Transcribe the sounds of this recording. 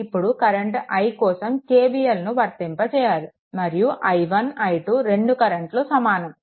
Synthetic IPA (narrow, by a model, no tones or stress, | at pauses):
ipːuɽukɐɾeɳʈɐjkɔːsɐmkeːbiːjelnuʋɐɾt̪impɐt͡ʃɛːjaːɾu | mɐɾijuʔɐjʋɐnɐjʈuɾe̞ɳɖukɐɾeɳʈlosɐmaːnɐm